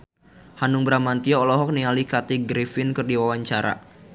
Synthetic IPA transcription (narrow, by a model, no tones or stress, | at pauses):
hanuŋbɾamant̪iɔːlɔɦɔk̚nialikat̪iɡɾifɪnkɨrdiwawaɲt͡ʃaɾa̰